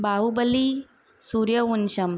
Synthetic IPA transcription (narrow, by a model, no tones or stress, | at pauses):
baubəli | suɾjəunɕəm